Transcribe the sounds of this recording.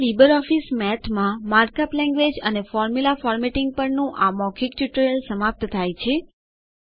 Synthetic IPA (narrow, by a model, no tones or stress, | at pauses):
libəɾɔfismɛt̪ʰmãmaɾkaplɛ̃ŋɡʋed͡ʒənefɔɾmulafɔɾmɛʈɪ̃ŋɡ̚pəɾnũʔamɔkʰik̚t͡ʃuʈɾijəlsəmap̚t̪t̪ʰajt͡ʃʰe